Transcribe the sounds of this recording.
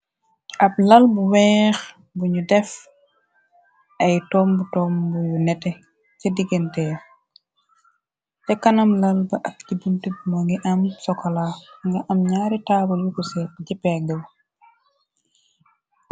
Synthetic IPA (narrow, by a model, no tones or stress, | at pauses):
ʔɐb̚lɐlbuwɛːx | buɲudɛf | ɐjtɔːmbutɔːmbujunɛtɛ | cɐdiɡɛntɛju | tɛkɐnɐmlɐlbɐʔɐk̚tibuntubumɐŋɡiʔɐmsɔkɔlaŋɡɐʔɐmɲaːɾitaːbɐljukɔsɛpɟipɛɡəw